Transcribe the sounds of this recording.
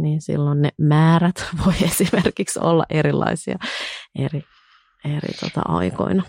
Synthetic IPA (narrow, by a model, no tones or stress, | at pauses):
niːnsḭlːonnemæːɾæt̪ʋoiesimerkikso̰lːɑ̰ʔeɾilːɑ̰isiɑeri | erḭt̪ot̪ɑ̰ʔɑiko̰inɑ